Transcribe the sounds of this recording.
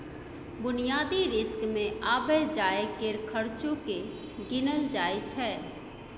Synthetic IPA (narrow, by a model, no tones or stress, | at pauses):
bʊnijaːd̪iɾɪskmẽʔaːbɛd͡ʒaːekeɾkʰəɾt͡ʃõke | ɡɪnəld͡ʒaːet͡ʃʰɛː